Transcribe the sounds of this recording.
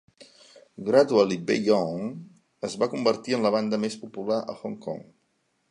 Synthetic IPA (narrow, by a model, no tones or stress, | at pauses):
ɡɾat̪ualibejɔŋ | əzβakumbəɾt̪iənləβand̪əmespupulaʔə̰xɔŋkɔ̰ŋ